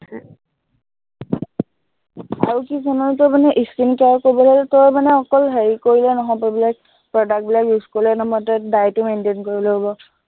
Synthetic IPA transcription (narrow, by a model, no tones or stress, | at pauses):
aɹukisɔnɔɹtɔmanɛʔiskinkaɹkobɔlɔltɔɹmanɛɔkɔlɦeɹikoɹilɛnɔɦɔpɔbilak̚ | pɹɔdak̚bilakjuskɔɹilɛnɔmɔtɛdajtʊmentenkoɹilɔɦɔbɔ